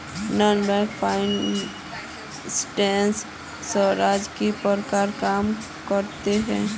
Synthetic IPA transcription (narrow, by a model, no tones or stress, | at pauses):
nənbɛːkpʰaːɪn | sʈɛ̃ːns | səɾaːd͡ʒkipəɾkaɾkaːm | kəɾt̪eɦɛ̃ː